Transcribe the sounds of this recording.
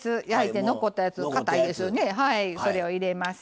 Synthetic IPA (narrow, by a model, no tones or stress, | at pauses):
t͡sɨjait̪e̞no̞ko̞t̪ːajat͡sɨkat̪aid̪e̞sɨjone̞ɦaiso̞ɾe̞oiɾe̞masi̥